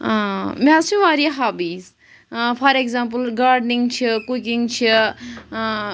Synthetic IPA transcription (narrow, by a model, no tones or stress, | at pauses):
amasũʋaːɾiɦaːbiːz | fʰɐɾekzãːmpəlɡaːɾɖnĩŋɡt͡ʃʰikukĩŋɡt͡ʃʰi